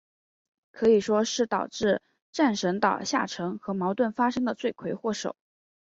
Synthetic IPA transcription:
kʰɤ˧˥i˨˩ʂwɔ˥ʂɻ̩˥˩t̪ɑ˨˩ʊʈ͡ʂɻ̩˥˧ | ʈ͡ʂa˥˩nʂə˧˥ŋt̪ɑ˨˩ʊɕja̰˥˩ʈ͡ʂʰɤ˧˥ŋxɤ˧˥mɑ˧˥ʊt̪wə˥˩nfa˥ʂɤ˥ŋd̪ə˨t͡swe˥˩ɪkʰwe˧˥ɪxwɔ˥˩ʂo̰˨˩˦ʊ

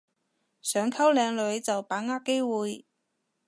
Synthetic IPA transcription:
sœː˨˧ŋkʰɐ˥wlɛː˨˧ŋlɵ˨˧˥ɥt͡sɐ˨wpaː˨˥ŋaː˥ke˥jwuː˨˧j

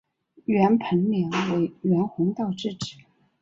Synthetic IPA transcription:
ɥɛ˧˥npʰə˧˥nli˧˥ŋwe˧˥ɪɥɛ˧˥nxʊ˧˥ŋt̪ɑ˥˧ʊʈ͡ʂɻ̩˥˩ʈ͡ʂɻ̩˨˩˦

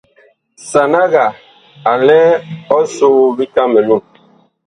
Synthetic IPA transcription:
sa˨na˦ɣa˨ | a˨lɛ˦ɔ˦soː˦bi˦ka˦mɛ˨lu˦˨ŋ

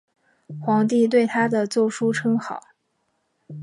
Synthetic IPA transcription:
xwɑ˧˥ŋt̪̬i˥˧t̪̬we˥˩ɪt̪ʰa˥d̪ə˨t͡swɔ˥˩ʂu˥ʈ͡ʂʰɤ˥ŋxɑ˨˩˦ʊ

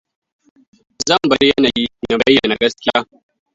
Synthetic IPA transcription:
zɐ˦mbɐ˨ljɐ˦na˨ji˦nɐ˨bɐ˦jːɐ˨na˨ɡɐ˦slʲa̰˦

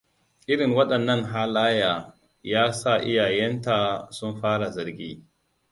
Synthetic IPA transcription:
ʔɪ˦ɽɪ˨ŋwɐ˦ɗɐ˨nːɐ˦ŋɦaː˦laː˦jaː˨ | jaː˦sa˦˨ʔɪ̰˦jaː˨jɛ˦nta˨sʊ˦mɸaː˦ɽa˨zɐ˨ɾɡʲḭː˦

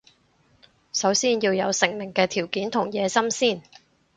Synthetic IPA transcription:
sɐ˨˥wsiː˥njiː˧wjɐ˨˧wsɪ˨˩ŋmɪ˨˩ŋkɛː˧t̪ʰiː˨˩wkiː˨˥nt̪ʰʊ˨˩ŋjɛː˨˧sɐ˥msiː˥˩n

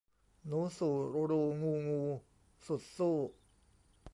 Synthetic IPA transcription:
nuː˦˥suː˨˩ɾo˧ɾoː˧ŋuː˧ŋuː˧ | su˨˩t̪̚soː˥˩

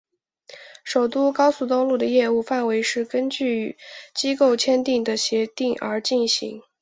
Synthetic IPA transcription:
ʂo˨˩ʊt̪u˥kɑ˥ʊsu˧˩t̪o˥ŋlu˥˩d̪ə˩jɛ˥˧u˥˧fa˥˩nwe˧˥ɪʂɻ̩˥˩kə˥nt͡ɕy˥˩t͡ɕi˥ko˥˩ʊt͡ɕʰjɛ˥nt̪i˥˩ŋd̪ə˩ɕjɛ˧˥t̪i˥˩ŋə̰˞˧˥t͡ɕi˥˩nɕḭ˧˥ŋ

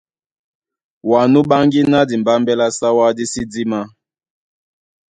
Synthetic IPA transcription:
wa˨nu˦ɓa˦ŋɡi˦na˦di˨m˨ba˦mbɛ˦la˦sa˦wa˦di˦si˦di˦ma˦

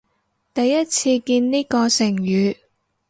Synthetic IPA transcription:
t̪ɐ˨jːɐ˥t̚t͡sʰiː˧kiː˧nniː˥kɔː˧sɪ˨˩ŋjyː˨˧

